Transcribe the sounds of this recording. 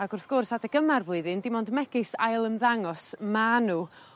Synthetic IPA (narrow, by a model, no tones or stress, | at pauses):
aɡʊrθɡ̥ʊrsadaɡəmarvʊɨðɨndɪmɔndmɛɡɨsajlˠəmðaŋɔsmanuː